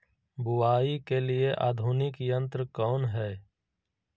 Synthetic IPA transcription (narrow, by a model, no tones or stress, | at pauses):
bʊwaːikelieʔa̰ːd̪ʱuːnɪkjə̃nt̪ɾəkɔːnɦɛː